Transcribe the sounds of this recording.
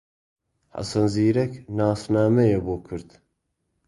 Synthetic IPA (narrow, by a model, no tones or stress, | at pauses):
ħa̰sɐnziːɾɛknaːsnaːmɛjɛboːkʰɨɾd̪